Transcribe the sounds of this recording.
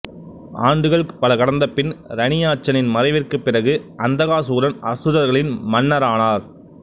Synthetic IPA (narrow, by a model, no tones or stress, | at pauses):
aːɳɖɯɣɐɭkpːɐlɐkɐɽɐnd̪ɐpːɪnɾɐnɪjaːt͡ʃːɐnɪnmɐɾɐɪʋɪrkɯpːɪrɐɣɯʔɐnd̪ɐɣaːsuːɾɐnʔɐsɯðɐɾɣɐɭɪnmɐnːɐɾaːnaːɾ